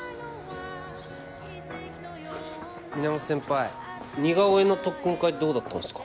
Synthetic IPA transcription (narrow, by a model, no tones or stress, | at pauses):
mʲinamasẽ̞mpae | ɲʲiɡaoeno̞t̪okːɯ̃ŋkaid̪o̞ːd̪at̪ːa̰nsɨ̥kḁ